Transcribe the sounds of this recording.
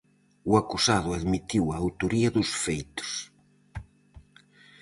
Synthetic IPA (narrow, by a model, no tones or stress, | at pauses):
uakusaðʊaðmit̪iwaːwt̪oɾiɐðʊsfejt̪ʊ̥s